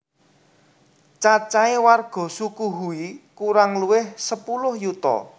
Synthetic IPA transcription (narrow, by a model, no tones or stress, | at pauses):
t͡ʃat͡ʃaewarɡ̥ɔ̤sukuɦuikuɾaŋluwɪhsəpulʊhjut̪ɔ̰